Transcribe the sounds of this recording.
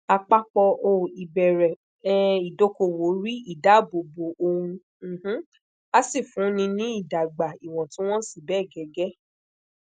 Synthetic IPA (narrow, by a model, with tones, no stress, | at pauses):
a˧k͡pa˦k͡pɔ˧ʔo˦˨i˨bɛ˨ɾɛ˨˦ | i˨do˦ko˧wo˨˦ɾi˦i˦˨da˨˦˨bo˨bo˨ʔo˧hũ˧˨ | h̩˦ | a˦si˦˨fũ˨˦nĩ˧nĩ˦i˦˨da˨ɡ͡ba˨i˨w̃ɔ̃˨tĩ˦w̃ɔ̃˦si˦˨bɛ˦˨ɡɛ˨˦ɡɛ˦